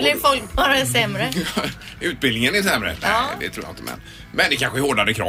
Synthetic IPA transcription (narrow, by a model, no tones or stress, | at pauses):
lɪɾfɔlkɑɾasɛmɾə | ʉ̟ːt̪̚bɪlnɪŋənæsɛmɾə̰næ̰d̪ɛ̰t̪ʰɾuːja̰ɪnt̪əmʔɛ̰n | mɛnd̪ɛkʰanɧəæɾhoːɖaɾəkʰɾɑ̰ː